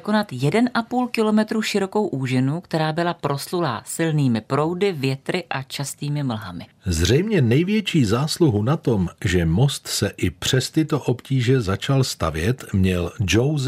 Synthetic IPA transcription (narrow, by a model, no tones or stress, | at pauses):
ko̞nat̪jɛdɛnʔapuːlkɪlo̞mɛt̪ɾuʃɪɾo̞ko̞wʔuːʒɪnukt̪ɛɾaːbɪlapɾo̞slula̰ːsɪlniːmɪpɾo̞wdɪvjɛt̪ɾɪʔat͡ʃast̪iːmɪml̩ɦa̰mɪ̰ | zr̝ɛjmɲɛnɛjvjɛt͡ʃiːzaːsluɦunat̪o̞mʒɛmo̞st̪sɛʔɪpr̝̥ɛst̪ɪt̪oʔo̞pciːʒɛzat͡ʃalst̪a̰vjɛt̪mɲɛld͡ʒowz